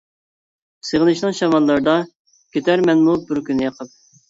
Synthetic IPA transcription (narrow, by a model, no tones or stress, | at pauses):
səʁənɨʃnɨŋʃɑmɑlˠːɑɾd̪ɑ | kʲʰet̪ʰæɾmɛnmubɪɾkʲynɪjɑqʰəp̚